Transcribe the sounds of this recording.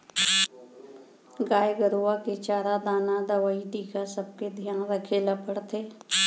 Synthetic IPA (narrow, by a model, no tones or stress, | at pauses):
ɡaːjɡəɾuaket͡ʃaːɾad̪aːnad̪əʋaːiʈiːkasəb̚ked̪ʱjaːnɾəkʰelɐpəɽt̪ʰeː